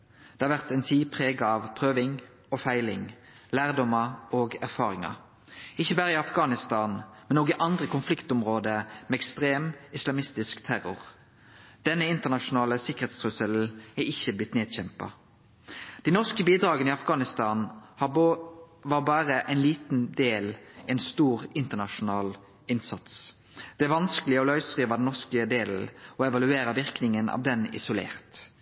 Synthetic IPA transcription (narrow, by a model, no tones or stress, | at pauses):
d̪̥ɛhɑʁʋæʁt̪ɛnt̪ʰiːpʰʁeːɡɑɑʋpʰʁøːʋɪŋ | ɔfæɪlɪ̰ŋ | læːʁd̪ɔmɑoːɡæʁfɑːʁɪŋɑ̰ | ɪçːəbɑːʁəɪɑfɡɑːnɪst̪ɑːnmɛnoːɡɪʔɑnd̪ʁəkʰʊnflɪkt̪ʊmʁoːd̪əmɛɛkst̪ʁeːmɪslɑmɪst̪ɪskt̪ʰæʁʊ̰ʁ | d̪̥ɛnːəɪnt̪əʁnɑʃʊnɑːləsɪkəʁhet̪st̪ʁʉsəl̩æɪçəblɪt̪neːd̪çɛmpɑ̰ | d̪̥ɪnɔʁskəbiːd̪ɾɑːɡənɪɑfɡɑːnɪst̪ɑːnhɑ | ʋɑːʁbɑːʁəʔɛɪnliːt̪n̩d̪eːlɛɪnst̪uːʁɪnt̪ənɑʃʊnɑːl | ɪnsɑt̪s | d̪̥ɛʋɑnskəlɪəɔlœʏsʁiːʋɑd̪ɛnɔʁskəd̪eːl̩ɔɛʋɑlʉeːɾəʋɪʁknɪŋənʔɑ̰ʋd̪ɛnɪ̰sʊlḛːʁt̪